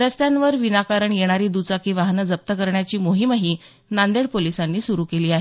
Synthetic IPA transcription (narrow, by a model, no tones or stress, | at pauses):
ɾəst̪jãnʋəɾʋinakaɾəɳjeɽ̃aɾiːd̪ut͡sakiːʋaɦnəd͡zəp̚t̪əkəɾɳjat͡ɕiːmoɦimɦiː | nand̪eɽpolisanːiːsuɾuːkeliːaɦe